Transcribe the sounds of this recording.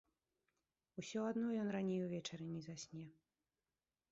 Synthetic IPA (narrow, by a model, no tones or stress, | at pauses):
usʲɔad̪nɔjɔnranʲejuvʲɛt͡ʂɐɾɨnʲɛzasʲnʲɛ